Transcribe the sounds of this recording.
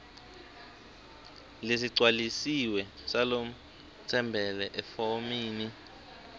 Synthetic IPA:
les̬iǀʱwalisiwɛsalom̩ | tʰɛmbʱɛlɛʔɛfomiːni

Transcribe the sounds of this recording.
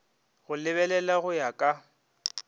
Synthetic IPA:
ɣʊlɪβɛlɛlaɣʊjakʼa

